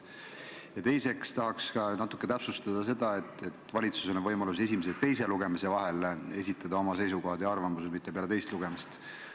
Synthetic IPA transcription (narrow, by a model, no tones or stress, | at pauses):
jɑt̪e̞jse̞kst̪ɑɦɑkskɑnɑt̪ːˑu̥kːˑe̞t̪æpsust̪ɑd̪̥ɑse̞d̪̥ɑe̞t̪ːˑe̞t̪ːˑvɑlʲit̪susenvɤjmɑlus̬e̞simes̬et̪ːe̞js̬e̞luɡ̥e̞mise̞vɑɦe̞le̞sʲit̪ːˑɑd̪ɑo̞mɑse̞jsuko̞ɦɑd̪̥jɑɑrvɑmuse̞d̪mit̪ˑːepeɑlet̪e̞jst̪luɡe̞mist̪